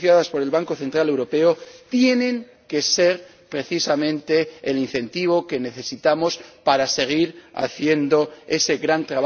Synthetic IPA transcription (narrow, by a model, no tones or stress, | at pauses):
θjaðaspo̞ɾe̞lβaŋko̞θe̞nt̪ɾale̞wɾo̞pe̞ot̪je̞nẽ̞ŋ | ke̞se̞ɾ | pɾe̞θisamẽ̞nt̪e̞ːlin̟θe̞nt̪iβ̞o̞ke̞ne̞θe̞sit̪amo̞spaɾase̞ɣ̞iɾa̰θje̞nd̪o̞e̞se̞ɣɾant̪ɾaβa